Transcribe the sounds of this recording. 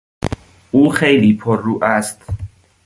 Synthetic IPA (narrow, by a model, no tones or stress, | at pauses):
ʔuːxejliːpʰoruːʔæst̪